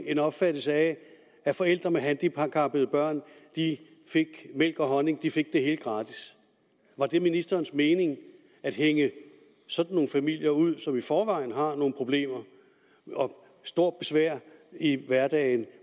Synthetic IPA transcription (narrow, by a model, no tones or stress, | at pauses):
e̝nɒ̽b̥fæd̥l̩səæ | æfɒ̽el̰d̥ʁɐmeɦænd̥ipʰɑ̈kʰɑ̈b̥əð̩ˠb̥ɶɐ̰nd̥i | fe̝ɡ̥mel̰ɡ̥ɒ̽ɦɒ̽ne̝ŋd̥ife̝ɡ̥̚d̥e̝ɦe̝ːld̥ɡ̥ʁɑ̈ːd̥ʰis | ʋɑ̈d̥e̝minisd̥ɐːnsme̝ːne̝ŋ | æd̥ɦeŋə | sɒ̽d̥n̩ːo̝ːn̩fæmil̰jɐuð̰ˠsɒ̽mifɒːʋɑ̈ɪn̩ɦɑ̈no̝ːn̩pʰʁo̝b̥le̝̰ːmɐ | ɒ̽ | sd̥o̝ɐ̰d̥̚b̥e̝sʋæɐ̰iʋæɐd̥ɛ̰ːɪn